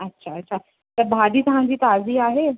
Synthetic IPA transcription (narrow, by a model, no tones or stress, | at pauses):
ətːɕʰaətːɕʰa | t̪əɾbʱadiːt̪ɐɦãɲd͡ʑiːt̪aziːaɦe